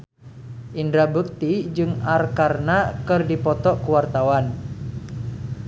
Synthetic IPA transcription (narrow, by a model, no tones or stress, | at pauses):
ʔindɾabuk̚t̪id͡ʒɨŋarkarnakɨrdipɔt̪ɔʔkuwart̪awan